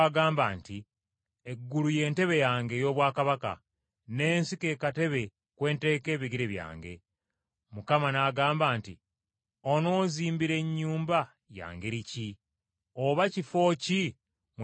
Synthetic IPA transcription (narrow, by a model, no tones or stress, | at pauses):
aɡaːmbaːnti | eɡːuluje̞ːnte̞βe̞jaːŋɡe̞jo̞ːβwaːkaβaka̰ | ne̞ːnsike̞ːkate̞βe̞ | kwe̞ːnte̞ːke̞ːβiɡiɾeβja̰ːŋɡe̞̰ | mukamanaɡaːmbaːnti | ono̞ːziːmbiɾe̞ɲːuːmba | ja̰ːŋɡe̞ɾici | oβacifo̞ːci | m